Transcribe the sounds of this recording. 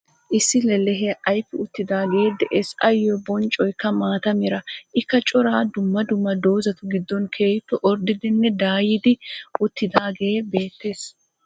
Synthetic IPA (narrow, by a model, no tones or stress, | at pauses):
ʔɪsːɪlɛlɛɦɛʔɐjpːɪʊt̪ːɪd̪aːɡeed̪ɛʔesɐjːɔbɔnt͡ʃʼːɔjkːɐmaːt̪ɐmɪɾɐʔɪkːɐt͡ʃʼɔɾaːd̪ʊmːɐd̪ʊmːɐd̪oːzɐt̪ʊɡɪd̪ːɔnkʰe̞ːjt̪ːɔʔɔɾd̪ɪd̪ɪnːɛd̪aːjɪd̪ɪʔʊt̪ːɪd̪aːɡe̞ːbe̞ːt̪ːeːs